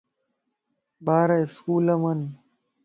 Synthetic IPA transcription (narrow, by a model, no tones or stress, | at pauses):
baːɾɐɪskuːlɐmɐn